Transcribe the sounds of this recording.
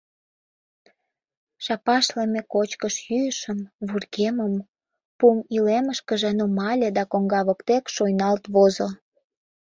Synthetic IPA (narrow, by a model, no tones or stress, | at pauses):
ʃɑpɑʃlemekot͡ɕkəʃjyjəʃəmβurkeməm | pumileməʃkəʒĕnumɑlʲed̪ɑkoŋɡɑβəkt̪ekʃojnɑlt̪βozo